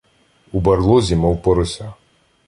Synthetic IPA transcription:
ubɐrlˠɔzʲimɔwpɔɾɔsʲa

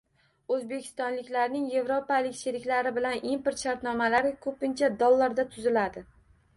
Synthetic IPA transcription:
ɵzbe̞kʲʰɪ̥st̪ɒnlɪkʲlaɾnɪŋje̞vɾopalɪkʲʃeɾɪkʲlaɾɪbɪlanimpoɾt̪ʃaɾt̪nɒmalaɾɪkʰɵpɪnt͡ʃʰad̪olˠːaɾd̪at̪ʰʊzɪlad̪ɪ

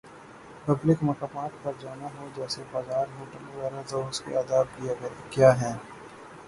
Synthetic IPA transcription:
pɐblɪkmɐkaːmaːt̪̚pɐɾd͡ʒaːnaɦod͡ʒɛːsebaːzaːɾɦoːʈəleʋaːɾazoːʊskḛad̪aːb̚kijaɡɐɾekjaːɦɛ̃ː

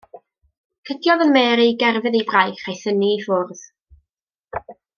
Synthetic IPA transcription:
kʰədjɔðənmɛːɾiɡɛrvɨðibrajχajθənifʊrð̥

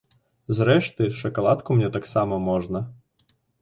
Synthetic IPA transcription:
zɾɛʃt̪ɪʃɐkɐlˠɑt̪kʊmnʲɛt̪ɑksɑmɐmɔʒnɐ

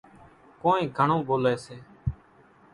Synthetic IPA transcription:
koːnẽːɡʱəɳõːboːleːseː

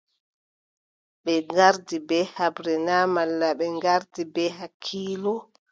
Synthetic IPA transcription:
ɓɛŋɡaɾdibɛhabɾɛnamalːaɓɛŋɡaɾdibɛɦakʰːiːlɔ

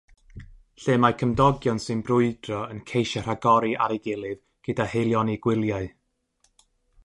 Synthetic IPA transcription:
ɬɨːmakʰəmdɔɡjɔnsɨnbrʊɨd̥rɔənkʰejʃar̥aɡɔɾiʔa̰ɾɪɡɪlˠɨv | ɡ̥ədahejlˠjɔniɡ̥wɪlˠjaɨ

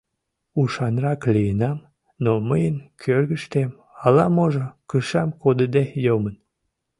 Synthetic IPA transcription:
uʃɑnrɑklijənɑm | noməjənkʰørɣəʃt̪em | ɑlɑmoʒokəʃɑmkod̪əd̪ejomən

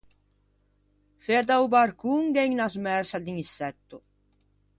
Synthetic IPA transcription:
feɾd̪awbaɾkuŋɡɛɲnazmɛɾsad̪iŋisɛt̪ːo

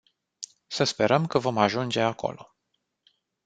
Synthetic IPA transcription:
səspe̞ɾəmkəvo̞maʒund͡ʒe̞akʰo̞̰lo̞̰

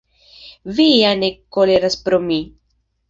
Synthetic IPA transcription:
vianekoleɾaspɾomi

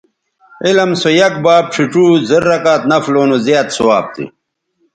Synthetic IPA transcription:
ilɐmsojɐk̚baːb̚ʈ͡ʂʰiʈ͡ʂuːzɐɾːɐkaːt̪nɐfloːnozjaːt̪suwa̰ːb̚t̪ḭ

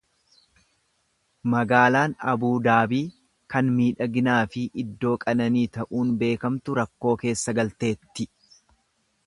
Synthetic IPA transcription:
mɐɡaːlaːnɐbuːd̪aːbiː | kɐnmiːᶑɐɡɪnaːfɪʔɪd̪ːo̞ːkʼɐnɐniːt̪ɐʔuːnbe̞ːkɐmt̪ʊɾɐkːo̞ːke̞ːsːɐɡɐlt̪e̞ːt̪ːɪ

